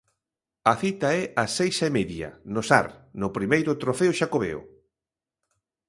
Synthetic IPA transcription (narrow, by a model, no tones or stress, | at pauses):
ɐθit̪aɛʔasejʃɐemeðjɐ̰nʊsa̰ɾnʊpɾimejɾʊt̪ɾofeʊʃakoβḛo̰